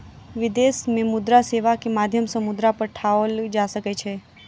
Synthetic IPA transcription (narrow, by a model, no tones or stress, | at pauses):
ʋɪd̪eːsmẽmʊd̪ɾaseːʋakimaːd̪ʱjəmsəmʊd̪ɾapəɾʈʰaəld͡ʒasəket͡ʃʰe